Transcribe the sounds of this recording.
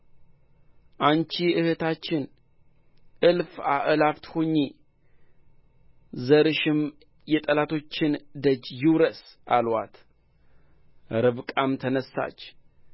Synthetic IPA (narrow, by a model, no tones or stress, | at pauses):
ʔant͡ʃiʔɨhɨt̪ʰat͡ʃːɪn | ʔɨlfaʔɨlabt̪hoɲːi | zəɾɨʃɪm | jɛt̪ʼəlat̪ʰo̞t͡ʃːɪnd̪əd͡ʒjɪwɾəsʔalwa̰t̪ | ɾɨβkʼamt̪ʰənəsːa̰t͡ʃː